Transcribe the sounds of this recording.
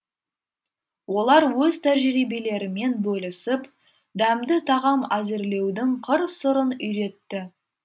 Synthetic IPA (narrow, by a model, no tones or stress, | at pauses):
wo̞lˠɑɾwɵzt̪ʰæɾʒɪɾibele̞ɾɪme̞nbɵlɪsɪp | d̪æmd̪ɪt̪ʰɑʁɑmæzeɾle̞wd̪ɪŋqʰəɾsʊɾənʏjɾe̞t̪ːɪ